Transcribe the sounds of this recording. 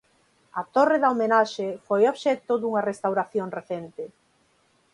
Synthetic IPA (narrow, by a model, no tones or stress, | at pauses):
ɐt̪oreðɐomenaʃefojoβʃɛt̪ʊðuŋɐrest̪awɾaθjoŋreθɛnt̪ɪ